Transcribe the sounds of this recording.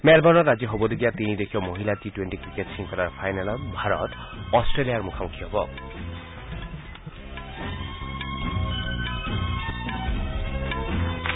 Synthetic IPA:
mɛlbʱɔnɔɾad͡ʑiɦobod̪id̪ijat̪inid̪ekʰiomoɦilatiʈweɳʈikɾikeʈsiŋkɔɾaɾpʰajnalɔbʱaɾɔ̰t̪ | ɔsʈɾelijaɾmukʰamukʰiɦɔbɔ

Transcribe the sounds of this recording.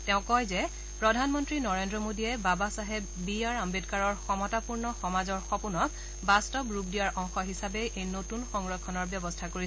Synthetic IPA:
tɛʊ̃kɔjzɛ | pɹɔdʱanmɔntɹinɔɹendɹɔmodijɛbabasaɦe | biaɹambitkaɹɔɹxɔmɔtapuɹnɔxɔmazɔɹxɔpunɔk | bastɔbɹup̚dijaɹʔɔŋxɔɦisabɛjʔejnotunxɔŋɹɔkʰːɔnɔɹbjɔbɔstʰakoɹi

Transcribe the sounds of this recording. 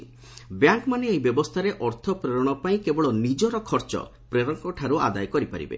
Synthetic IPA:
bjaŋkmaneːjbjɔbɔst̪ʰaɾeʔɔɾt̪ʰɔpɾeɾɔɽ̃ɔpaĩkebɔɭɔnid͡ʒɔɾɔkʰɔɾt͡ʃɔ̰ | pɾeɾɔŋkɔʈʰaɾua̰d̪ajkɔɾipa̰ɾḭbḛ

